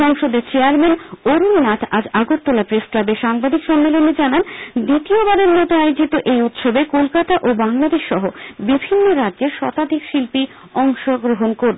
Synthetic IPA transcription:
ɔŋʃod̪eɾt͡ɕeaɾmenoɾunnat̪ʰad͡ʑaɡot̪ːolapɾesklabeʃaŋbad̪ʱikʃɔmːeloned͡ʑanand̪it̪iobaɾeɾmɔt̪oajod͡ʑit̪oʔejut̪ʃobekolkat̪aʔobaŋlad̪eʃːɔɦobibʱinːoɾadːd͡ʑeɾʃɔt̪ad̪ʱikʃilpi | ɔŋʃoɡɾoɦonkoɾe

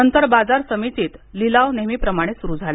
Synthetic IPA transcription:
ənt̪əɾbad͡zaɾsəmit͡siːt̪lilaʋnemiːpɾəmaɽ̃esuɾuːd͡zʱal

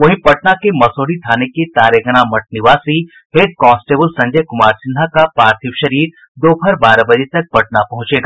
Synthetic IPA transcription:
ʋɐɦĩpɐʈnakemɐsoːɽit̪ʰaːneket̪aːɾəɡɐɽ̃amɐʈ̚nɪʋaːsi | ɦeːʈ̪̚kɔːsʈeːbəlsɐ̃ɲd͡ʒəjkʊmaːɾsɪ̃nd̪ʱakapaːɾt̪ʰiʋʃɐɾiːɾ | d̪oːbʱɐɾbaːɾabɐd͡ʒet̪ɐk̚pɐʈ̚napɐɦʊ̃t͡ʃeːɡaː

